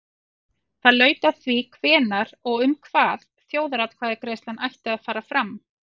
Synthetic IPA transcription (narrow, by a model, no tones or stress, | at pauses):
θaðlœːɥt̪aθvikʰvɛːnaɾɔɣʏmkʰvaːð | θjoːwðaɾat̪kʰv̥aːðɪkɾejst̪lanʔajht̪ɪaðfaːɾafɾam